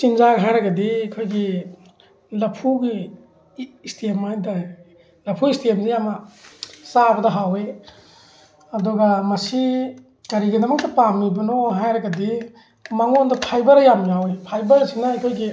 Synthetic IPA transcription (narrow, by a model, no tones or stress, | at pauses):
sinzaɡɦajɾɐɡɐdikʰojɡi | lɐpʰuɡiː | stʰemajda | lɐpʰuistemzejamɐ | sabɐdɐɦawe | ɐdɔɡamɐsi | kɐɾiɡɐdɐmɐk̚tɐpamibɐnoɦajɾɐɡɐdi | maŋondɐpʰajbɐɾjamjawepʰajbɐɾsinaːjkʰojɡi